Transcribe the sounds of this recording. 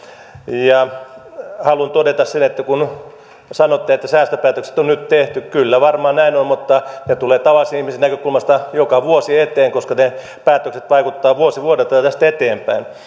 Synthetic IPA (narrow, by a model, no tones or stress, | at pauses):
jɑ | hɑlunt̪odet̪ɑssenet̪ːækun | sɑnot̪ːeet̪ːæsæːst̪øpæːt̪økse̥t̪onnyt̪t̪eht̪ykylːæʋɑrmɑːnæinonmut̪ːɑnet̪uleːt̪ɑʋɑlːˑisenihmisenækøkulmɑst̪ɑjokɑʋuosiet̪eːŋkoskɑne | pæːt̪ːøkset̪ʋɑikut̪ːɑːʋuosiʋuodelt̪ɑt̪æst̪et̪eːmpæin